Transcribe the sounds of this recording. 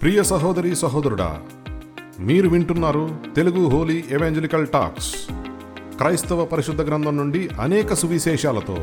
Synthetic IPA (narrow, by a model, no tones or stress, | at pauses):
pɾiːjɐsɐɦɔːd̪ɐɾiːsɐɦoːd̪ɐɾuɽa̰ː | miːɾuʋiɳʈunːaːɾut̪e̞luɡuɦoːliːeʋaːɲd͡ʒelikɐlʈa̰ːks | kɾɐjst̪ɐʋɐpɐɾiʃud̪ʱːɐɡɾɐnd̪ʱɐmnuɳɖiʔɐnɛːkɐsuʋiʃɛːʃaːlɐt̪o̰ː